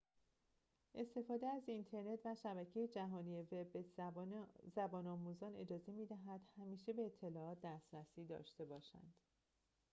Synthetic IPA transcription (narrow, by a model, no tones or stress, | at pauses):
ʔe̞st̪e̞fɒːd̪eæzint̪ʰe̞ɾne̞t̪ʰvæʃæbæcʰejed͡ʒæɦɒːnijevebe | zæbɒːnɒːmuːzɒːne̞d͡ʒɒːze̞mid̪æɦæd̪̥hæmiːʃe̞be̞ːt̪ʰːe̞lɒːɒːt̪̚d̪æst̪ɾæsiːd̪ɒ̰ːʃt̪e̞bɒːʃæ̰nd̪̥